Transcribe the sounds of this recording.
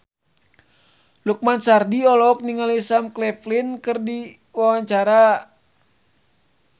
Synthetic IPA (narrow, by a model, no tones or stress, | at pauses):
luk̚mansardiɔlɔk̚niŋalisamklɛflinkɨrdi | wawaɲt͡ʃaɾa